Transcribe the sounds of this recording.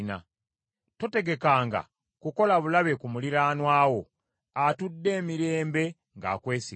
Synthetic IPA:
na̰ | to̞te̞ɡe̞kaːŋɡa̰ | kuko̞laβulaβe̞kumuliɾaːnwaːwo̞ | atudːe̞ːmiɾe̞ːmbe̞ | ŋɡa̰ːkwe̞ːsi

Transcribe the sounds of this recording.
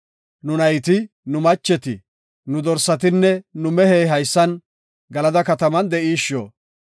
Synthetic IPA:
nʊnɐjt̪ɪ | nʊmɐt͡ʃːɛt̪ɪ | nʊd̪ɔɾsɐt̪ɪnːɛnʊmɛheːɦɐjsːɐn | ɡɐlɐd̪ɐkɐt̪ɐmɐnd̪ɛʔiːʃːo̰ː

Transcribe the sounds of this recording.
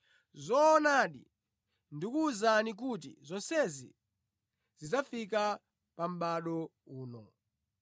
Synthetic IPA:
zɔːnaɗḭ | ndikuːzanik̬utḭzɔnsɛzḭ | z̥izafik̬a | pam̩ɓaɗɔuːnɔ

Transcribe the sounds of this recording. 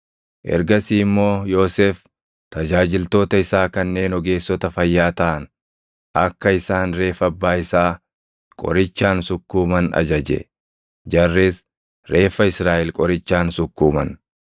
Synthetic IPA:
ʔɛ̰ɾɡɐsiːmːo̞ːjo̞ːseːf | t̪ɐd͡ʒaːd͡ʒɪlt̪oːt̪ɐɪsaːkɐnːe̞ːnɔɡe̞ːsːɔt̪ɐfɐjːaːt̪ɐʔɐn | ʔɐkːɐɪsaːnɾe̞ːfɐbːaːɪsaː | kʼɔ̰ɾɪt͡ʃːaːnsʊkːuːmɐnɐ̰d͡ʒɐd͡ʒɛ̰ | d͡ʒɐrːeːs | ɾe̞ːfːɐɪsɾaːʔɪlkʼɔɾɪt͡ʃːaːnsʊkːuːmɐ̰n

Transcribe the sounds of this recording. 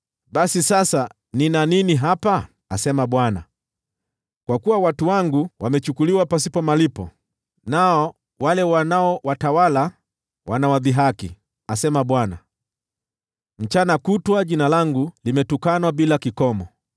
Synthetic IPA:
ɓasisasa | ninaniniɦapa | asɛmaɓwana̰ | kwakuwawatuwaŋɡuwamɛt͡ʃukuliwapas̬ipɔmalipɔ̰ | naɔ | walɛwanaɔwatawala | wanawaðiɦakḭ | asɛmaɓwana̰ | m̩t͡ʃanakutwaʄinalaŋɡulimɛtukanwaɓilakikɔmɔ

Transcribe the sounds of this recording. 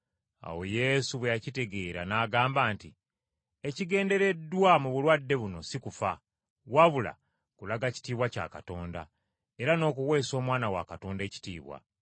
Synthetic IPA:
a̰wo̞je̞suβwejacite̞ɡe̞ːɾanaːɡaːmbaːnti | eciɡe̞ːnde̞ɾe̞dːwamuβulwadːe̞βuno̞̰sikufa | waβula̰ | kulaɡaci̥tiːβwaca̰ːkato̞ːnda̰ | e̞ɾano̞ːkuwe̞ːso̞ːmwaːnawa̰kato̞ːnde̞ci̥tḭːβwa̰

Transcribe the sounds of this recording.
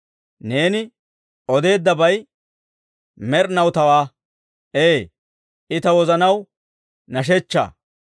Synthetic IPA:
ne̞ːnɪ | ɔd̪e̞ːd̪ːɐbɐj | mɛɾnɐwt̪ɐwaː | eː | ɪt̪ɐwɔzɐnɐw | nɐʃ̬ɛt͡ʃːa̰ː

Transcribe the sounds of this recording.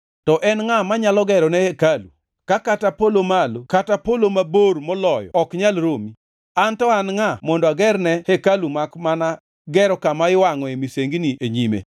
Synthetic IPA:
tɔʔɛnŋamaɲalɔɡɛɾɔnɛhekalṵ | kakatapolomalokatapolomaboɾmɔlɔjɔ̰ɔkɲalɾomi | antɔanŋamɔndɔaɡɛɾnɛhekalumakmana | ɡɛɾɔkamaɪwaŋɔemiseŋɡniʔeɲimḛ

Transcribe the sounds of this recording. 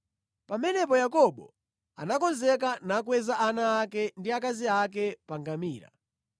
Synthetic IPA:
pamɛnɛpɔjakɔɓɔ | anakɔnzɛk̬anakwɛzaʔanaːkɛndiakaziak̬ɛpaŋɡamiːɾa̰

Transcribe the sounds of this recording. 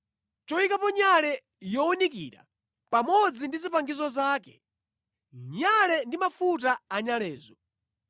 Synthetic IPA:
t͡ʃɔikapɔɲalɛ | jɔɔnik̬ḭɾa̰ | pamɔd͡zindizipaŋɡizɔzaːkɛ | ɲalɛndimafut̬aːɲalɛːzɔ

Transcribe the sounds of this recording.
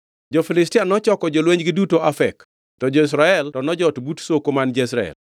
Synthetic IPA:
d͡ʒofilɪstianɔt͡ʃɔkɔd͡ʒolweɲɡɪdutoafɛk | tɔd͡ʒois̬ɾaɛltɔnɔd͡ʒɔtbutsokomand͡ʒɔisɾaɛ̰l

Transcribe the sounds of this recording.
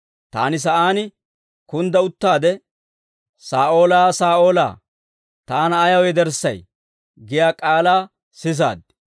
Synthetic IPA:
t̪aːnɪs̬ɐʔaːnɪ | kʊnd̪ɐʊt̪ːaːd̪ɛ | saːʔo̞ːlaːsaːʔo̞ːla̰ː | t̪aːnɐːjɐwɛd̪ɛɾsːɐj | ɡɪjaːkʼaːlaː | sɪs̬a̰ːd̪

